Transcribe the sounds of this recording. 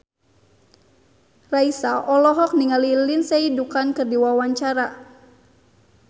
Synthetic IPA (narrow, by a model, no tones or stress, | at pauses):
raisaʔɔlɔɦɔk̚niŋalilinsɛidukankɨrdiwawaɲt͡ʃaɾa